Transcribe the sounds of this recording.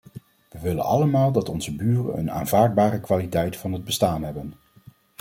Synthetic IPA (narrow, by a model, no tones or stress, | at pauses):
ʋəʋɪlə̰nɑ̰ləmaːlˠdɑtɔnzəbyːrə̰nə̰na̰ːnv̥aːɹd̚baːrəkʋaːlitɛjtfɑnɦəd̚bəstaːnɦɛbən